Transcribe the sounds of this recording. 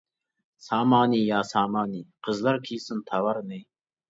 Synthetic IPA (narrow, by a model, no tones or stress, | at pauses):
sɑːmɑːniːjɑːsɑːmɑːniːqʰəzlɑɾkʰiːsɨnt̪ʰawaɾnej